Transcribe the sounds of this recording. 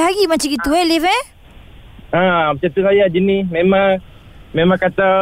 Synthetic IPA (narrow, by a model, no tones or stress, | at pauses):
ɦaɡimat͡ʃaɡit̪uelivɛ | amat͡ʃat̪usajad͡ʒinimemãŋ | memãŋkat̪a